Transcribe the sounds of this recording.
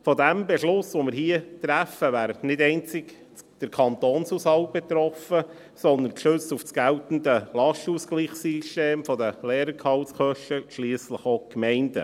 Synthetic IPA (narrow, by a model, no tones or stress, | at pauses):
fɔdæmbɛʃlʊsʋomɪɾɦiət̪ɾæfəvæːɾətnɪdɛɪnt͡sɪɡ | d̥əɾkʰɑnt̪oːnsusɑw̚bɛt̪ɾɔfə | sɔnd̪ənkʃɵsufsɡ̥æltn̩dəlɑʃtuskliːχsiʃteːmfɔd̪əlɛːɾəɾkʰɑwskœʃtəʃliːsləχokmɛɪndə̰